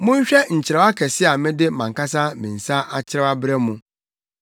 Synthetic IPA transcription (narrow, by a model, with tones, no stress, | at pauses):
mʊ̃˦ɲ˦ɕᶣɛ˦ɲ̩˨t͡ɕʰɪ˨ɾɛ˨˦a˦kʰɛ˨sɪ˦a˨mɪ̃˦dɪ˦mã˨ŋ˨ka˦sa˦mĩ˨n̩˨sa˦ʔa˦t͡ɕʰɪ˦ɾɛ˦a˦bɾɛ˦mũ˨